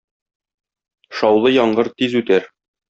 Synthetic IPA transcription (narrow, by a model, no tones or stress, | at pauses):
ʃɒwlˠɤjɒɴɢɤɾt̪izʉt̪æɾ